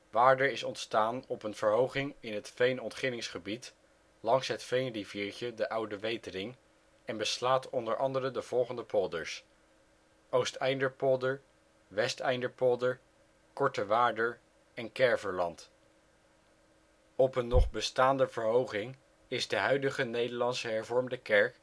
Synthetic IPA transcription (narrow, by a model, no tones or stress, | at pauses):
ʋaːɹdəɹɪsɔntstaːnɔpənv̥əɹɦowχɪŋɪnɦətfejnɔntχɪnɪŋsχəbit | lɑŋsɦətfejnriviːɹt͡ʃədəʔʌwdəʋejtərɪŋ | ɛnbəslaːtɔndəɹʔɑndərədəv̥ɔlˠχəndəpʰʊdəɹs | ʔowstɛjndəɹpɔlˠdəɹ | ʋɛstɛjndəɹpɔlˠdə | kɔɹtəʋaːdəɹ | ɛnkɛɹvəɹlɑ̰nt | ɔpənːɔχbəstaːndəvəɹɦowχɪŋ | ɪzdəɦœɥdəχənejdəɹlɑnsəɦɛɹvɔɹmdəkɛɹk